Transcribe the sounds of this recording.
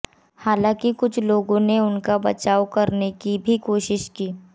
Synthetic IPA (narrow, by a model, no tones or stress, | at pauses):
haːlãːkikʊt͡ʃʰloːɡõneʊnkabɐt͡ʃaːwkɐɾnekibʱikoːʃɪʃkiː